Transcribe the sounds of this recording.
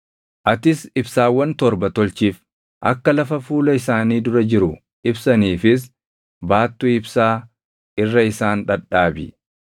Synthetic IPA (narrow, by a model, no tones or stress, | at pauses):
ʔɐt̪ɪsɪbsaːwːɐnt̪ɔɾbɐt̪ɔlt͡ʃiːf | ʔɐ̰kːɐlɐfɐfuːlɐɪsaːniːd̪ʊɾɐd͡ʒɪɾʊ | ɪbsɐniːfɪs̬ | baːt̪ːuɪbsaː | ɪrːɐɪsaːnᶑɐᶑaːbɪ